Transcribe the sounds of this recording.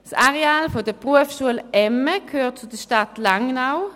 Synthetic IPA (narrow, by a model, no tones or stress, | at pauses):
saʁeaːlfodəpʁuəfʃuəlɛməkʰhøːʁt̚t͡sudəʃtatlaŋnaʊ